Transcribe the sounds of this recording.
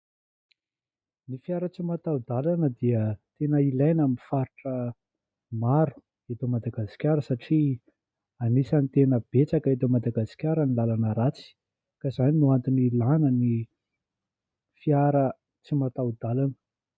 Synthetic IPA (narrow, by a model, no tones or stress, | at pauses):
nifiaɾət͡simat̪aud̪alanəd̪iət̪enəilajnaminfaɾiʈ͡ʂə | maɾu̥ | et̪omad̪aɡasi̥kʲaɾəsaʈ͡ʂi | anisanit̪enəb̥et͡sakaet̪̬omad̪aɡasi̥kʲaɾənilalanəɾat͡si̥ | kazaninuant̪inilanəni | fiaɾə | t͡simat̪awd̪alanə̥